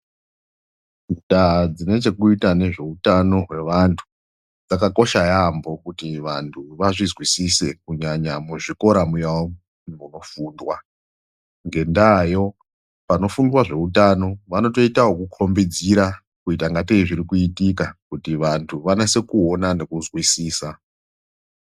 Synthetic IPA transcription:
ndad͡zine̞t͡ʃe̞kuitane̞ʐe̞utano̞ɦwe̞ʋantʰu̥ | d͡zakako̞ʃajambo̞kutiʋantʰuʋaʐizwisise̞kuɲaɲamuʐiko̞ɾamujawo | muno̞fuːndwa | ŋɡe̞ndajo̞ | pano̞fundwaʐe̞utano̞ʋano̞to̞itawokukʰo̞mbed͡ziɾa | kuitaŋɡateiʐiɾikuitikakutiʋantʰuʋanese̞kuo̞nane̞kuzwisiːsa

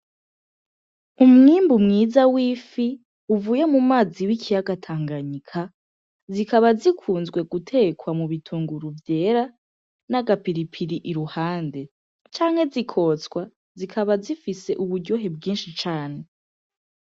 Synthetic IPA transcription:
umŋiːmbumŋiːzawiːfi | uvuːje̞mumaːziwikʰijaɡatʰaːŋɡaɲikʰa | zikaβazikʰuːnzɡwe̞ɡutʰe̞kwamuβitʰuːŋɡuɾuvje̞ːɾa | naɡapiɾipʰiɾiʔiɾuhaːnde̞ | t͡ʃaːŋ̥he̞zikʰo̞ːt͡skwa | zikʰaβazifise̞ʔuβuɾɟo̞ɦebɡiːnʃit͡ʃaːne̞

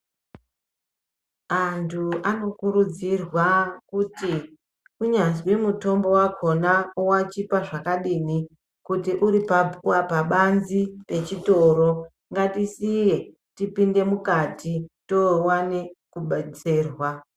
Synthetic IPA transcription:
antʰuano̞kuɾud͡zirwakuti | kuɲazwimuto̞mbo̞wakʰo̞naowat͡ʃipaʐakaɗiːni | kutiʔuɾipauwapaɓanzipe̞t͡ʃito̞ɾo̞ | ŋɡatisije̞ | tipinde̞mukatʰito̞wanekuɓat͡seːrwa

